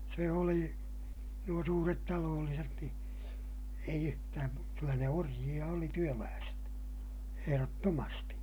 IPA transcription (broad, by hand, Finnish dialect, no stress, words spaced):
se oli nuo suːret tɑloːlːiset ni eij yhtæːm mu kylːæ ne orjij̆ɑ oli tyølæːset eherotːomɑsti